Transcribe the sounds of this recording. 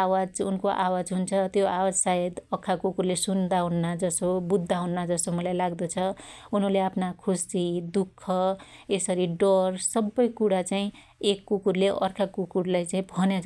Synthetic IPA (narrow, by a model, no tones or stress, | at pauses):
awad͡zṵnkoʔawad͡zɦunt͡sʰʌt̪joawad͡zsaɦed̪ʌkʰːakukurlesund̪aɦunːad͡zʌsobud̪ʱːaɦunːad͡zʌsomʌlajlaɡd̪ʌt͡sʰʌ | unʌleapʰnakʰusid̪ukʰːʌesʌɾiɖʌrsʌbːʌjkuɽat͡saĩ | ekːukurleʔʌ̰rkʰakukurlajt͡saĩbʱʌnjat͡s